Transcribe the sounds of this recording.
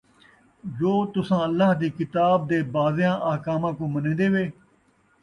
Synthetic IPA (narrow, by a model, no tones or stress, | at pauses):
zoːt̪ʊsãːəlːaːɦd̪iːkɪt̪aːb̚d̪eːbaːzjãːʔaːkaːmãːkõːmənẽːd̪eːʋeː